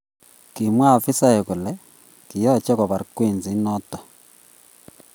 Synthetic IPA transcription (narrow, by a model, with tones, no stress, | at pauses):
ki˨mwa˦˨fi˦sa˦je˨ku˨lɛ˦ | ki˨jɔ˦˨t͡ʃɛ˦kɔ˨βa˨ɾkweː˦˨nzi˨˦nɔ˦tɔ˨